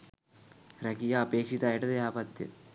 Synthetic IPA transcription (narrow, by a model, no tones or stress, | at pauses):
ɾɐkijɐɐpeːkʂit̪aːjiʈːɐd̪eɦaːpɐt̪jɐ̰